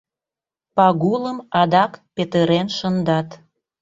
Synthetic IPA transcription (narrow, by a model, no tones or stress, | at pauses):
pɑɣuləmɑd̪ɑkpet̪əɾenʃənd̪ɑt̪